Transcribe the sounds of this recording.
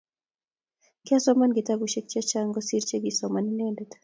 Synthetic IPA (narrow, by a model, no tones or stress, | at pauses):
kiasɔmanɡitabuʃɛk̚t͡ʃat͡ʃaŋɡɔsiɾt͡ʃɛɡisɔmaninɛndɛtḁ